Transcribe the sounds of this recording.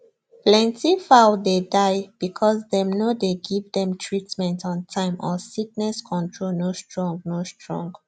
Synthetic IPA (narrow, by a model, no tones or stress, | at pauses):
plɛ̃ntifaʊdedaɪb̥ikʰɔsdɛ̃mnodeɡivdɛ̃mtʰɹitmɛ̃ntɔ̃ntʰãɪ̃mʔɔsik̚nɛskʰɔ̃ntʰɹolnostɹɔ̃ŋɡnostɹɔ̰̃ŋɡ